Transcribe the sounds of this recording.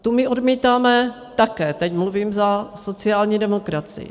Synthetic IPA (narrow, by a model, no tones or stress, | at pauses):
t̪umɪʔodmiːt̪aːmɛ | t̪akɛːt̪ɛcmluviːmzaso̞t͡sɪaːlɲiːdɛmokɾat͡sɪ̰